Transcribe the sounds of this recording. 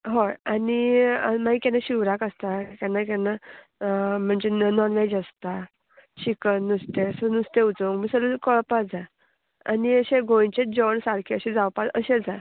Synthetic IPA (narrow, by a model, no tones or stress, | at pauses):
ɦoaniəmaikɛ̃naɕiʋɾakəst̪akanːakana | m̤əɳd͡zenɔnʋed͡ʑəst̪a | ɕikənːust̪esənust̪eut͡soŋɡmisəlukɔɭpad͡za | a̰niəɕẽɡʱojt͡ɕed͡ʑɔɳsaɾkʰeəɕẽd͡zawpaəɕed͡za